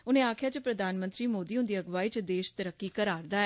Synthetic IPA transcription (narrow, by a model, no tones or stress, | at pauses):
ʊnẽːaːkʰjaːt͡ʃəpɾəd̪ʱaːnmə̃nt̪ɾiːmoːd̪iːʊ̃nd̪iːəɡʋaːiːt͡ʃd̪eːʃt̪əɾəkːikəɾaːɾd̪aːɛ